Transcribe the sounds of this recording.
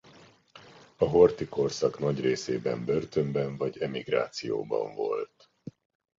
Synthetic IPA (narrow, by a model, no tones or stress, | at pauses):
ɒɦo̞rt̪iko̞rsɒknɒɟreːseːbɛ̰mbørt̪ømbɛɱvɒɟɛmiɡra̰ːt̪sijo̰ːbɒ̰ɱvo̞̰lt̪